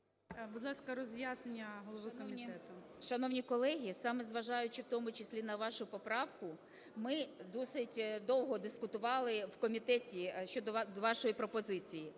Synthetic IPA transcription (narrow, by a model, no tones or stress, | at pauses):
bud̪lˠɑskɐɾɔzjaznenʲːɐɦɔlˠɔʋɪkɔmʲit̪ɛt̪ʊ | ʃɐnɔwnʲikɔlˠɛɦʲisɑmɛzʋɐʒɑjʊt͡ʃɪwt̪ɔmʊt͡ʃɪsʲlʲinɐʋɑʃʊpɔpɾɑwkʊ | mɪd̪ɔsɪtʲd̪ɔwɦɔd̪ɪskʊt̪ʊʋɑlˠɪwkɔmʲit̪ɛtʲiʃt͡ʃɔd̪ɔd̪ɔʋɑʃɔjipɾɔpɔzɪt͡sʲiji